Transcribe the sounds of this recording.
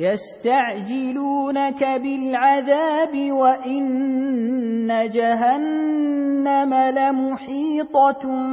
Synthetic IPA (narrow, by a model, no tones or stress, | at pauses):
jast̪aʕd͡ʒɪluːnakabɪlʕaðaːbɪwaʔɪn | ad͡ʒaɦanː | amalamʊħiːt̪ˤɑ